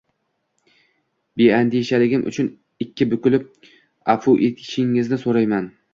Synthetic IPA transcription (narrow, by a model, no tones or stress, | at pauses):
be̞and̪eʃalɪɡʲɪmʔʊ̰t͡ʃʰʊn | ɪkʲʰːɪbʊkʲʊlɪp̚ | afʊʔet̪̚kʲʰɪ̥ʃɪŋːɪznɪsoɾajman